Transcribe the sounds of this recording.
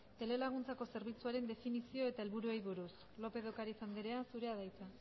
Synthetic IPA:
t̪e̞le̞laɣ̞unt͡sako̞se̞ɾβ̞it͡suaɾe̞nd̪e̞finisio̞e̞t̪ae̞lβuɾuejβuɾus | lo̞pe̞ðo̞kaɾit͡sand̪eɾe̞asuɾe̞aðajt͡sa

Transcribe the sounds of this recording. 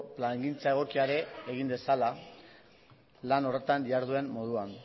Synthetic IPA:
plaŋɡint͡sae̞ɣ̞o̞kiaɾe̞ːɣ̞ind̪e̞sala | lano̞re̞t̪anbiaɾð̞ue̞mmo̞ð̞uan

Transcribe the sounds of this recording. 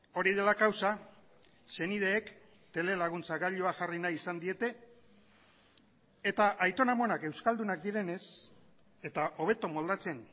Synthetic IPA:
o̞ɾiðelakawsa | se̞nið̞e̞ːk | t̪e̞le̞laɣ̞unt͡saɡaʎoaʝarinajisand̪ie̞t̪e̞ | et̪aʔajt̪o̞namo̞nake̞wskald̪unak̚d̪iɾe̞ne̞s | e̞t̪aʔo̞β̞e̞t̪o̞mo̞ld̪at͡se̞n

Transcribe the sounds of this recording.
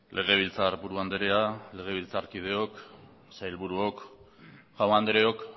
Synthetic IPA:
lʔe̞ɣ̞e̞β̞ilt͡saɾbuɾuand̪eɾe̞ale̞ɣ̞e̞β̞ilt͡saɾkið̞e̞o̞k | sajlβuɾuo̞k | ɣawand̪eɾe̞o̞k

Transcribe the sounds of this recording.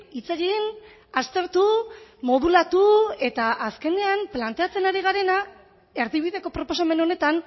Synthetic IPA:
it͡seɣin | ast̪e̞ɾt̪umo̞ðulat̪ue̞t̪aʔaske̞ndeamplant̪e̞at͡se̞naɾiɣ̞aɾe̞na | e̞ɾðiβ̞iðe̞ko̞pɾopo̞same̞no̞ne̞t̪an

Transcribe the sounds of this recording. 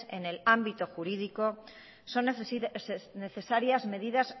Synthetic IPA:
e̞̰ne̞lambit̪o̞xuɾiðiko̞ | so̞n | ne̞θe̞saɾjazme̞ðiðas

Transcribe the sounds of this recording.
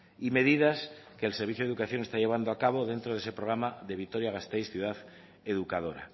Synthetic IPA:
ime̞ðið̞aske̞ːlse̞ɾβiθjoukaθjo̞ŋe̞st̪aʎe̞β̞and̪oakaβo̞ðe̞nt̪ɾoð̞e̞sepɾoɣɾamaðe̞β̞it̪o̞ɾjaɣast̪ejsθjuðaθ | eðukað̞o̞ɾa̰

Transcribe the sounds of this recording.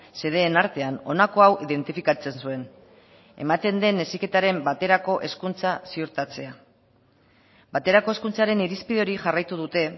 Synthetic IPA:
se̞ð̞e̞ːnaɾt̪e̞ano̞nako̞awiðe̞nt̪ifikat͡se̞nsue̞n | e̞̰mat̪e̞nd̪e̞ne̞sike̞t̪aɾe̞mbat̪e̞ɾako̞ʔe̞skunt͡sasiuɾt̪at͡se̞a | bat̪e̞ɾako̞eskunt͡saɾe̞niɾispiðeo̞ɾiʝarajt̪uð̞ut̪e̞

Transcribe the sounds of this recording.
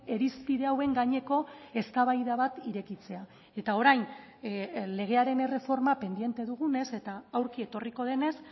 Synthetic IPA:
e̞ɾispiðe̞awe̞ŋɡaɲe̞ko̞e̞st̪aβajðaβat̪iɾe̞kit͡se̞a | e̞t̪ao̞ɾajn | le̞ɣ̞e̞aɾe̞ne̞re̞fo̞ɾmape̞nd̪ije̞nt̪e̞ðuɣ̞une̞se̞t̪aːwɾkie̞t̪o̞riko̞ð̞e̞ne̞s

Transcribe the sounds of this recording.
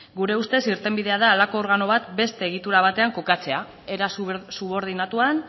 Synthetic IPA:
ɡuɾe̞ust̪e̞siɾt̪e̞mbiðe̞að̞aːlako̞ːɾɣano̞β̞at̪be̞st̪e̞ːɣ̞it̪uɾaβ̞at̪e̞aŋko̞kat͡se̞a | eɾassuβo̞ɾð̞inat̪uan

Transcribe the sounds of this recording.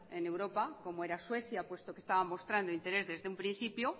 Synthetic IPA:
e̞ne̞wɾo̞pako̞moe̞ɾaswe̞θjapwe̞st̪o̞ke̞st̪aβamo̞st̪ɾand̪oint̪e̞ɾe̞zðe̞zðeumpɾinθipjo

